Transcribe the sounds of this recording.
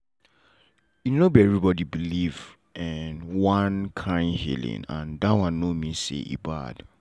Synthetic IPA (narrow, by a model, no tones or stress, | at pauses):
junobiɛvɹibɔdibiliv | ɛnwãnkʰãɪ̃ndhḭlḭ̃nã̰ndawãnnːomisḛʔḭba̰d̥